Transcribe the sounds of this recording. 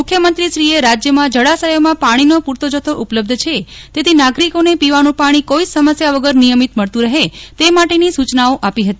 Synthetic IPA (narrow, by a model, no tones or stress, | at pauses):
mʊkʰjəmənt̪ɾiʃɾieɾad͡ʒjəmãd͡ʒəɽasəjomãpaɽ̃inopuɾt̪ʰod͡ʒət̪ʰoʔupləb̚d̪ʱt͡ʃʰet̪et̪ʰinaɡɾikonepiʋanũpaɽ̃ikoid͡ʒsəməsjaʋəɡəɾnijəmit̪məɭt̪ũɾəɦet̪emaʈenisut͡ʃnaoʔapiɦət̪i